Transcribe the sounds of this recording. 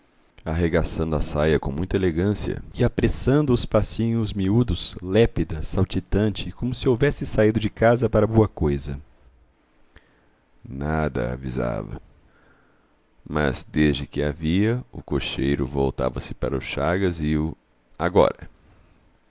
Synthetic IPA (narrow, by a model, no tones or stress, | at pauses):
aɦeɡasɐ̃nd̪ʊasajɐkõmũj̃t̪ɐeleɡɐ̃siɐ̰ɪapɾesɐ̃nd̪ʊːspasĩɲʊzmiud̪ʊslɛpid̪ɐsawt͡ʃit̪ɐ̃nt͡ʃɪkõmʊsɪowvɛsɪsaid̪ʊd͡ʒɪkazɐpaɾɐboɐkojzɐ | nad̪ɐ̰a̰viza̰vɐ̰ | mɐ̰zd̪ezd͡ʒɪkɪa̰viɐʊkoʃejɾʊ̰vowt̪a̰vɐsɪ̥pa̰ɾɐʊsʃaɡɐzɪʊ | aɡɔ̰ɾɐ